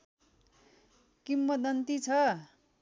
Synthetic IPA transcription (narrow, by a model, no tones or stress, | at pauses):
kimːʌt̪̚d̪ʌnt̪it͡sʰʌ